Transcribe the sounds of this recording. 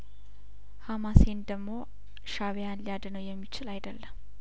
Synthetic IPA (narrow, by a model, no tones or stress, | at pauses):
hamasend̪əɡmo̞ | ʃaβejanlijad̪ənəwjɛmːit͡ʃɪlajd̪əlːəm